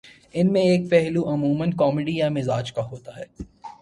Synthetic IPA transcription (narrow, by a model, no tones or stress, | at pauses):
ɪnmẽeːk̚pɛɦluʔɐmuːmənkɔːmɪɖijamɪzaːd͡ʒkaɦoːt̪aɦɛː